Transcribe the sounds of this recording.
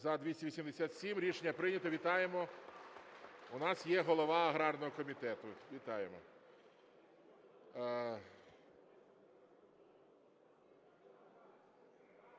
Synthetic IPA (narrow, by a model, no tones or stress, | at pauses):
zɐd̪ʋʲisʲɐʋʲisʲimd̪esʲat̪sʲimɾʲiʃenʲːɐpɾɪnʲɐt̪ɔʋʲit̪ɑjemɔ | unɑsjɛɦɔlˠɔʋɑɐɦɾɑrnɔɦɔkɔmʲit̪ɛt̪ʊʋʲit̪ɑjemɔ